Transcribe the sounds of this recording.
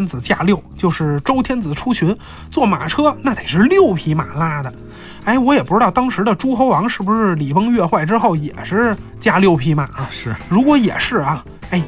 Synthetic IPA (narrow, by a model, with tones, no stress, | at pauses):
nd͡zɹ̩˨˩t͡ɕja̰˥˧ljo˥˩ʊt͡ɕjo˥˧ʊʂɻ̩˥˩ʈ͡ʂo˥ʊt̪ʰjɛ˥nd͡zɹ̩˨˩ʈ͡ʂʰu˥t͡ɕʰy˧˥n | t͡swɔ˥˩ma̰˨˩ʈ͡ʂʰɤ˥na˥˩d̪e˨˩ɪʂɻ̩˥˧ljo˥˩ʊpʰi˧˥ma̰˨˩la˥d̪ə˨ | e˧˥ɪwɔ˧˥jɛ˨˩pu˧˥ʈ͡ʂɻ̩˥tɑ˥˩ʊt̪ɑ˥ŋʂɻ̩˧˥d̪ə˧ʈ͡ʂu˥xo˧˥ʊwɑ˧˥ŋʂɻ̩˥˩bu˧ʂɻ̩˥˩li˨˩pɤ˥ŋɥɛ˥˧xwa˥˩ɪʈ͡ʂɻ̩˥xo˥˩ʊjɛ̰˨˩ʂɻ̩˥˧ | t͡ɕja˥ljo˥˩ʊpʰi˧˥ma˨˩a˧˩˥ɻu˧˥kwɔ˧˥jɛ̰˨˩ʂɻ̩˥˩ɐ˩ | e˥˩ɪ